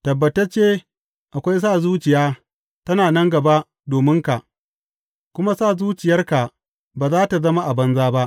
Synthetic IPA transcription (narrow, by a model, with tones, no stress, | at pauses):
tɐ˨bːɐ˨tɐ˦t͡ʃeː˦ | ʔa˨kʷa˦js̬aː˦˨zuː˦t͡ʃɪ˨jaː˦ | tɐ˦naː˨nɐ˦ŋɡɐ˨ba˦ | doː˨mɪ˦ŋka˨ʔ | kʷʊ˦ma˦saː˦˨zuː˦t͡ʃɪ˨jɐ˦rka˨ | baː˨zaː˦ta˨zɐ˦ma˦ʔa˨bɐ˦nzaː˦ba˦ʔ